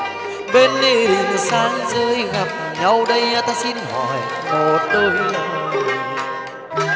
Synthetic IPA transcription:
ɓe˧nːi˧˩ɗi˨˩ŋ˨saː˨˦ŋzə˧˦jɣa˨˩p̚ | ɲa˧wɗə˧ja˧t̪aː˧si˧nhɔ˨˩j | mo˨˩t̪əː˧j

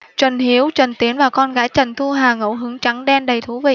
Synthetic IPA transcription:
t͡ɕwə˨˩ŋhi˨˦əwt͡ɕwə˨˩ŋ̟t̪i˨˦ənvaː˨˩kɔ˧nɣaː˨˦jt͡ɕə˨˩ŋ̟t̪ʰu˧ɦaː˨˩ŋə̰˧˥˨wɦɨ˨˦əŋt͡ɕa˨˦ŋɗɛ˧nɗə˨˩jt̪ʰu˧˩˦vḭ˧˨

